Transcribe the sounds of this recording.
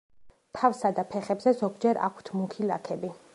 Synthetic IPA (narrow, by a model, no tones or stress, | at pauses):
t̪ʰafsad̪apʰɛχɛbzɛzɔɡd͡ʒɛɾa̰kʷʰt̪ʰmukʰilakʰɛbi